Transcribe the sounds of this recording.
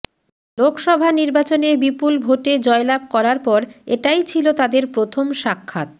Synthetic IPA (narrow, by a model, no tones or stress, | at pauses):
lokʰʃɔbʱaniɾbat͡ɕonebipulbʱoʈed͡ʑɔelab̚ʱkɔɾaɾpɔɾeʈajt͡ɕʰilot̪ad̪eɾpɾot̪ʰomʃakʰːat̪̚